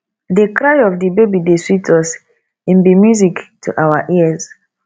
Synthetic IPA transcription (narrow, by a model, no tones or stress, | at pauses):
dekɹajɔfdibebideswitʰɔs | ɛ̃mbimjuziktʰuʔawaʔiəz